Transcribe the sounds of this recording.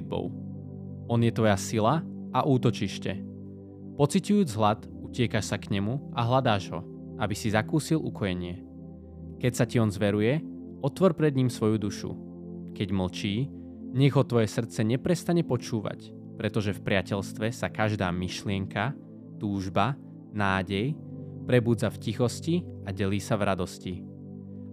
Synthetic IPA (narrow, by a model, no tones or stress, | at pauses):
bɔ̰ʊ | ɔnjɛt̪ʋɔjasila | ʔaʔuːt̪ɔt͡ʃiʃcɛ | pɔt͡sicujuːd͡zɦlat̪ | ucɪɛkaʃsakɲɛmuaɦlad̪aːʒɦɔ̰ | abisizakuːsilʔukʰɔjɛɲɪɛ | kɛcsaciɔnzʋɛɾujɛ | ɔt̪ʋɔɾpɾɛd̪ɲiːmsʋɔjud̪uʃṵ | kɛɟml̩t͡ʃiː | ɲɛɣɦɔt̪ʋɔjɛsr̩t̪t͡sɛɲɛpɾɛst̪aɲɛpɔt͡ʃuːʋa̰c | pɾɛt̪ɔʒɛfpɾɪacɛʎst̪ʋɛsakaʒd̪aːmiʃlɪɛŋka | t̪uːʒba | naːɟɛjpɾɛbuːd͡zafcixɔsciaɟɛliːsavɾad̪ɔsci